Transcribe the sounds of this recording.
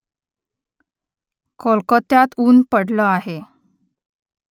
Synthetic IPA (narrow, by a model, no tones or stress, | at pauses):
kʰolkət̪jat̪uːnpəɽləaɦe